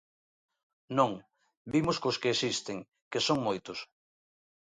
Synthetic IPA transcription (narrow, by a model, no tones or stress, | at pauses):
nõŋ | bimʊskʊskeːsist̪eŋ | kesoŋmojt̪ʊs